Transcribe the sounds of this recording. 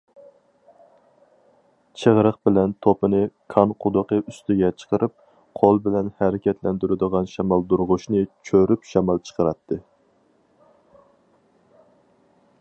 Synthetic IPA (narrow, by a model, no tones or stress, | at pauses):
t͡ʃʰəʁɾəχbɪlɛnt̪ʰopɨnɨkʰɑnqʰʊd̪ʊqʰəʔyst̪ɪɡʲɛt͡ʃʰə̥qəɾʔɨp̚ | qʰolˠbɪlɛnhɛɾɪkʲɛt̪lɛnd̪yɾɪd̪əʁɑnʃɛmɑlˠd̪uɾʁʊʃnɨt͡ʃʰøɾypʃɛmɑlˠt͡ʃʰə̥qəɾɑt̪ʰːɨ